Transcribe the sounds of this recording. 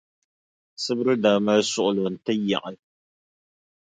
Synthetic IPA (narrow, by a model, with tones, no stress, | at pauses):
sɨ˦bɾɨ˦daː˨ma˦sʊ˦ʔʊ˨lʊ˨n̩˨tɨ˦ja̰˨ʔa˨l